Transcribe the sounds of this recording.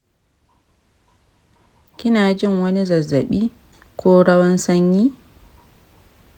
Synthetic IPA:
kɪ˦naː˨d͡ʒɪ˦˨ŋwɐ˦ni˦zɐ˨zːa˨ɓiː˦ | kʰɔː˦ɾɐ˦wɐ˦nsɐ˦ɲjiː˦

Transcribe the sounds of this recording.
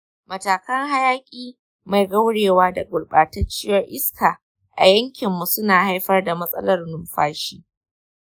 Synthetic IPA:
mɐ˨taː˨kɐ˦ŋɦa˦jaː˦kʲʼiː˦ | ma˨jɡɐ˦wɽeː˨waː˦da˨ɡʷʼʊ˨lɓaː˨tɐ˦t͡ʃɪ˦jɐ˦rʔɪ˦skaː˨ | ʔa̰˨jɐ˦ŋkʲɪ˨mːu˨sʊ˦naː˨ha˦jɸɐ˦rda˨mɐ˦sʼɐ̰˦lɐ˦rnʊ˨˦mɸaː˦ʃiː˦

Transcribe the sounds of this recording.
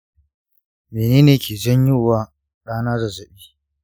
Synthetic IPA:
meː˨neː˦neː˨kʲeː˨zɐ˦ɲjʊ˦˨waː˦ | ɗaː˦naː˦zɐ˨zɐ˨ɓiː˦

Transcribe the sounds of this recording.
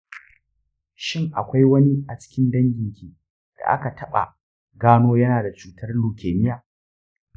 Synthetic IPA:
ʃɪ˦ŋʔa˨kʷa˦jwɐ˦ni˦ʔa˨t͡ʃɪ̥˦kʲɪ˦ndɐ˦ŋɡʲɪ˨ŋkʲiː˨ | d̥a̰˨ʔa̰˦ka˨tʰɐ˦ɓa̰˨ | ɡaː˦noː˦jɐ˦naː˨da˨t͡ʃuː˨tʰɐ˦rluː˨kʲeː˨nɪ˦jaː˨

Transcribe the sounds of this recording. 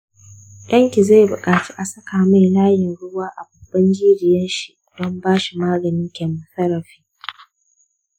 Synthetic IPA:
j̰ɐ˦ŋkʲi˨za˦˨jbʊ˨kʼaː˨t͡ʃi˦ʔa˨sɐ˦kaː˨ma˦jlaː˦jɪ˨nɽʊ˦waː˦ʔa˨bɐ˨bːɐ˦nd͡ʒiː˦ɾɪ˨jɐ˦nʃi˦ | dɔ˦mbaː˦ʃi˨maː˦ɡɐ˨nɪ˦ŋkʲɛ˨mʊ˨sɐ˦ɾɐ˨ɸiː˦

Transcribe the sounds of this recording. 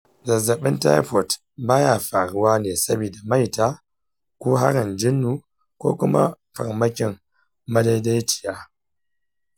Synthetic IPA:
zɐ˨zɐ˨ɓɪ˦nta̰˦jɸɔ˨t | baː˦ja˦˨ɸa˨ɽʊ˦waː˦neː˨sɐ˦biː˨da˨ma˦˨jtaː˦ | kʷoː˦ɦa˦ɾɪ˨nd͡ʒɪ˦nːu˨ | kʷoː˦kʊ˦ma̰˦ | ɸɐ̰˨ɾmɐ˦kʲɪ˨ŋː | ɐ˦da˦jda˦jt͡ʃɪ̥˨jaː˦

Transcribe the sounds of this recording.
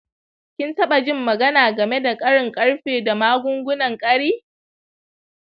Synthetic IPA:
kʲɪ˦ntɐ˦ɓa˨d͡ʒɪ˦mːɐ˨ɡɐ˦naː˨ɡɐ˨me˦da˨kʼɐ˦ɽɪ˨ŋkʼɐ˦ɽɸeː˨da˨maː˦ɡʷʊ˦ŋɡʷʊ˦nɐ˨ŋkʼɐ˦ɽiː˦

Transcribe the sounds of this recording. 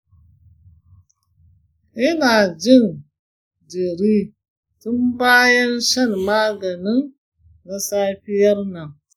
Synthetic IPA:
ʔɪ˦naː˨d͡ʒɪ˦n | d͡ʒe˨ɾiː˦ | tʊ˦mbaː˦jɐ˦nʃɐ˦nmaː˦ɡɐ˨nɪ˦nː | a˨saː˦ɸɪ˦jɐ˦rnɐ˨ŋ

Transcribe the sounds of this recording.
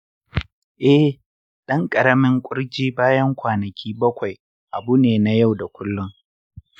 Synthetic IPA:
ʔɛ˦ | ɗɐ˦ŋkʼɐ˨ɾɐ˦mɪ˦ŋkʷʼʊ˦ɽd͡ʒiː˦baː˦jɐ˦ŋkʷaː˨nɐ˨kʲʰiː˦bɐ˦kʷa˨j | ʔa˨bu˦neː˨na˦ja˦˨wda˨kʷʊ˦lːʊ˦ŋ

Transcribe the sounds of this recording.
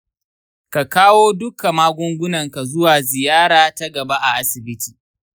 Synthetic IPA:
ka˨kaː˦woː˦dʊ˦ka˨maː˦ɡʷʊ˦ŋɡʷʊ˦nɐ˨ŋka˨zʊ˦waː˨zɪ˨jaː˦ɽaː˨ta˦ɡɐ˨ba˦ʔa˨ʔa˦sɪ˨bɪ˦tʰiː˨

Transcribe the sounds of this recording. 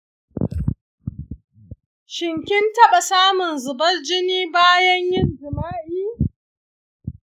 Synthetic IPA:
ʃɪ˨ŋkʲɪ˦ntɐ˦ɓa˨saː˦mʊ˨nzʊ˨bɐ˦rd͡ʒɪ˦niː˦baː˦jɐ˦ɲjɪ˦nd͡ʒɪ˨maː˦ʔiː˦

